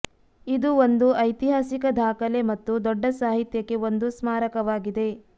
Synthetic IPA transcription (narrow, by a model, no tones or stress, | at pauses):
id̪uond̪uɐjt̪iɦaːsikɐd̪ʱaːkɐle̞mɐt̪ːud̪ɔɖːɐsaːɦit̪jɐke̞ond̪usmaːɾɐkɐʋaːɡid̪e̞